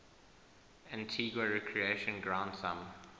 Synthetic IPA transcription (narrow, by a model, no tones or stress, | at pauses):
ãntʰiɡwəɹɛkʰɹieʃə̃nɡɹãʊ̃ndsãm